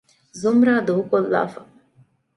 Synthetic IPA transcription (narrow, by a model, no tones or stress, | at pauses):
zumɾaːd̪oɦukolːa̰ːfɐ